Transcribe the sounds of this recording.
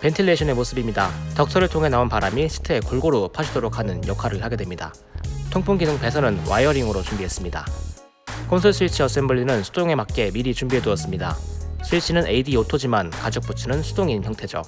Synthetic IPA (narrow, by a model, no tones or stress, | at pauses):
pe̞ntʰilːe̞ɕʰʌne̞mosʰɯbimɲidatʌk̚s͈ʰʌɾɯɭtʰoŋɦe̞naonpaɾamisʰɯ̥tʰe̞koɭɡoɾopʰaɕʰidoɾok̚ʰanɯnjʌkʰaɾɯɭhaɡe̞dwe̞mɲida̰ | tʰoŋpʰoŋɡinɯŋpe̞sʰʌnɯnwa̰jʌɾiŋɯɾot͡ɕumbiɦe̞s͈ɯmɲida̰ | kʰonsʰʌɭsʰuit͡ɕʰiʌs͈embʌɭːinɯnsʰud̥oŋe̞mak̚k͈e̞miɾit͡ɕumbiɦe̞duʌs͈ɯmɲida̰sʰuit͡ɕʰinɯnʔeidiotʰod͡ʑimankad͡ʑok̚p͈ut͡ɕʰɯnɯnsʰudoŋinçjʌŋtʰe̞d͡ʑo̰